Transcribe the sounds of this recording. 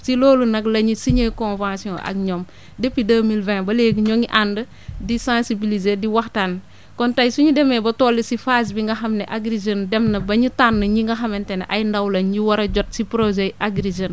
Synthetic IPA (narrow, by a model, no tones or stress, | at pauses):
siloːlunɐklɐɲisiɲekɔ̃nvãːsiɔ̰̃ʔɐ̰k̚ɲɔm | depːidəmilvɛ̃ːbɐleːɡɲɔŋiʔandə | disãːsibilizediwaxtan | kɔntajsuɲudɛmebɐtoːlːisifaːs̬biŋɡɐxɐmnɛʔaɡɾizəndɛmnɐbɐɲutanːɐɲiŋɡɐxɐmentɛnɐ̰ʔajndawlɐnɲiwɐɾɐɟɔt̚sipɾozeʔaɡɾizən